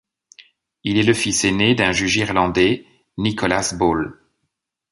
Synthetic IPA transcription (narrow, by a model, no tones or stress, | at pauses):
ilɛləfisened̪ɛ̃ʒyʒiʁlɑ̃d̪ɛ | nikʰɔlasbol